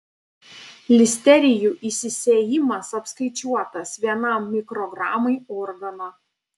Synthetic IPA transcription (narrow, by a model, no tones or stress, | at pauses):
lʲɪsʲt̪ʲɛɾʲɪjuːʔisʲɪsʲeːjɪmɐsɐpskɐɪt͡ʃʲuɔt̪ɐsʋʲiɛnɐˑmːʲɪkɾɔɡɾɑːmɐɪɔɾɡɐnoː